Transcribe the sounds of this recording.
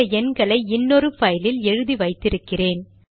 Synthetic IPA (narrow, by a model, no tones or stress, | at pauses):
ɐɛnɡɐɭɐɪɪnːɔɾɯfɐjlɪlɛɻɯðiʋɐɪt̪ːɪɾɯkːɪreːn